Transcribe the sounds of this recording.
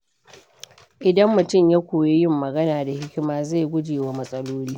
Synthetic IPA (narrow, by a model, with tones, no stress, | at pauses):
ʔɪ˨dɐ˦mːʊ˨tʊ˦˨mja˦kʷoː˨je˦jɪ˦mːɐ˨ɡɐ˦naː˨da˨hɪ˦kʲɪ˦maː˦za˦˨jɡʷʊ˦d͡ʒeː˨waː˦mɐ˦sʼɐ˦loː˦liː˦